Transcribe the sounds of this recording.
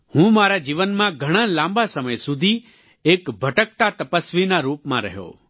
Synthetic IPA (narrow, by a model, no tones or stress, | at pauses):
hũmaːɾad͡ʒiːʋənmãɡʱəɽ̃ãlãmbasəməjsʊd̪ʱi | eːkbʱəʈək̚t̪at̪əpəsʋinaɾuːpmãɾəɦjo̰ː